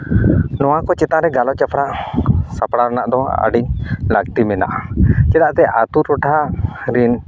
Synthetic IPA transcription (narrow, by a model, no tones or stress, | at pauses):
nɔwakɔt͡ʃɛt̪ãɾɛɡalɔt͡ʃapʰɽaʔsapɽaɾnaʔd̪ɔa̰ɖiɲlaɡ̚t̪imɛna̰ʔat͡ʃɛdaʔt̪ɛʔat̪uɾɔʈʰaɾin